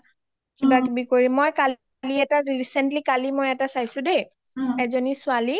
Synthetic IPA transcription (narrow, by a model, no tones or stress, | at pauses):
kibakbikoɹimːojkal | liɛtaɹiɹisɛntlikalimɔjɛtasajsʊ̃dej | ɛzonisʊali